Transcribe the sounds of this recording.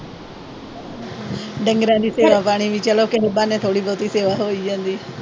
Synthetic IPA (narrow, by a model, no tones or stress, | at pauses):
ɖə̃ŋɡɾãːd͡ʑ̪iːseːʋapaːɽ̃iʋĩt͡ʃɐlokeɦɪbãnɛ̃ːt̪ʰoːɽiboːt̪iseːʋaɦoiə̃nd̪iː